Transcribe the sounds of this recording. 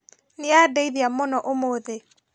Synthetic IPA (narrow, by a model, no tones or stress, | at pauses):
nɪadeiðjamonɔʔomoðe